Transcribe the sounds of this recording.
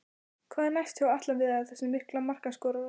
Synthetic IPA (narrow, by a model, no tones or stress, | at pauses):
kʰvaːðɛnajst̪çawat̪lanvɪðaaθɛsːʏmɪhklamar̥kanskɔːɾa